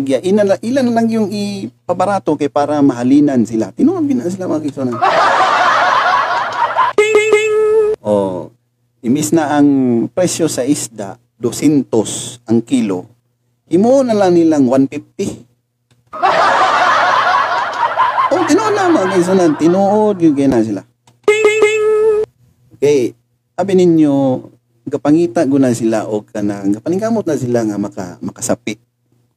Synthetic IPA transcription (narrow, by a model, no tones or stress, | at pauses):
ɡjaʔɪnalaʔɪlanɐlaŋjʊŋɪpɐbaɾaːt̪okajpaːɾamɐɦaliːnansɪla̰t̪ɪnoʔanɡɪnas̬ɪlamaaɡɪŋsonan | ʔo̰ | ʔɪmɪsnaʔːŋpɾɛsjosɐʔɪsd̪a̰ | d̪osɛnt̪osʔɐŋkilo̰ | hɪmonɐlaŋnɪlaŋwanfɪf̚t̪ɪ | ʔʊŋt̪ɪnuʔod̪namaʔkajs̬anant̪ɪnuʔod̪̚ɡɪkajnas̬ila | kaj | abɪnɪɲjo | ɡapaŋiːt̪aʔɡʊnasɪlaʔʊɡ̚kanaŋɡapaniŋkamʊt̪̚nasilaŋamaka̰makasapɪʔ